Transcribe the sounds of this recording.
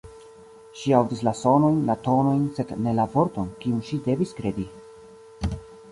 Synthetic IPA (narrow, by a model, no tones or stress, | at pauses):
ʃiawdis̬laso̞no̞jnlato̞no̞jnse̞dne̞lavo̞ɾtonkiunʃide̞viskɾe̞di